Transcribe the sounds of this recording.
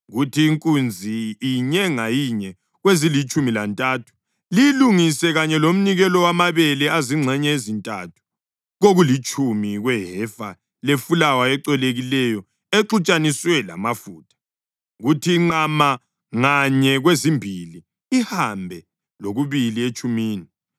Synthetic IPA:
ɣutʰiːŋkʼund͡zʱiiɲɛŋajiɲɛ | ɣwezilit͡ʃʼumila̰ntʼatʰu̥ | lijiluŋisɛɣaɲɛlom̩niɣɛlɔwamaβɛlɛaziŋ͡ǀʱɛɲɛezintʼatʰu̥ | ɣoɣulit͡ʃʼumiɣwɛɦɛfa | lefulawaɛǃɛleɣilɛjɔ | eǁut͡ʃʼaniswɛla̰mafuːtʰḁ | ɣutʰiŋ͡ǀama | ŋaɲɛɣwezimbʱili | ihambʱɛ | loɣuβiliet͡ʃʼumiːni

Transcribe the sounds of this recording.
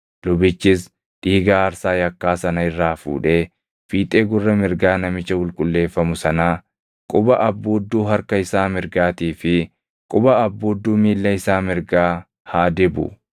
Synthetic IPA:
lʊbɪt͡ʃːɪs | ᶑiːɡaːɾsaːjɐkːaːsɐnɐɪrːaːfṵːᶑe̞ː | fiːt̪ʼe̞ːɡʊrːɐmɪɾɡaːnɐmɪt͡ʃːɐwʊlkʼʊlːe̞ːfːɐmʊsɐnaː | kʼʊbɐʔɐbːoːd̪ːuːɦɐɾkɐɪsaːmɪɾɡaːt̪iːfɪ | kʼʊbɐːbːoːd̪ːuːmiːlːɐɪsaːmɪɾɡaː | haːd̪ɪbʊ̰

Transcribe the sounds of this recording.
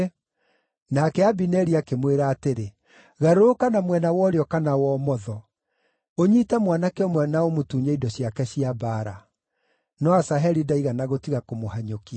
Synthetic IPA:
nakɛabinɛɾiakemweɾaːteɾe | ɣaɾoːkanamwɛnawɔːɾeɔkanawɔmɔðɔ | oɲitamwanakɛɔmwɛnaomotuɲaidɔɕjakɛɕiabaːɾa | nɔasaɦɛɾidaiɣanaɣotiɣakomohaɲokia

